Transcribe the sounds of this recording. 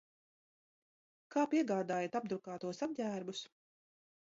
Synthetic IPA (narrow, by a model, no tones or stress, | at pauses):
kaːpiɛɡaːd̪aːjat̪ab̚d̪ɾukaːt̪uɔsab̚ɟʲæːɾbus